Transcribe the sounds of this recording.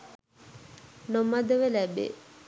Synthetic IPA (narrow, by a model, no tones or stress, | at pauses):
nomad̪əʋelæbːḛ